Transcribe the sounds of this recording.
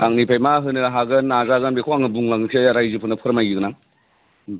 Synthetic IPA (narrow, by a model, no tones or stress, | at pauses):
aŋnipʰajmaɦɯnɯɦaɡɯnːazaɡɯnbekʰoaŋɯbuŋlaŋɯkʰiɾajzɯpʰɯnɐpʰɯɾɐmajɡiɡɯnaŋ